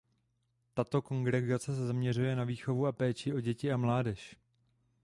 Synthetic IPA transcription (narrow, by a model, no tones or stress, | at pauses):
t̪at̪o̞ko̞ŋɡɾɛɡat͡sɛs̬ɛzamɲɛrujɛnaviːxo̞vuapɛːt͡ʃɪʔo̞ɟɛcɪamlaːdɛʃ